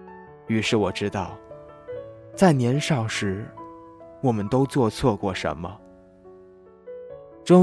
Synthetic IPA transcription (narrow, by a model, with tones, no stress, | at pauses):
y˧˥ʂɻ̩˥˩wɔ˨˩ʈ͡ʂɻ̩˥t̪ɑ˥˩ʊ | t͡sa˥˩ɪnjɛ˧˥nʂɑ˨˩ʊʂɻ̩˧˥ | wɔ˨˩mə˦nt̪o˥ʊt͡swɔ˥˧t͡sʰwɔ˥˧kwɔ˥˩ʂə̰˧˥nmə̰˧ | ʈ͡ʂʊ˥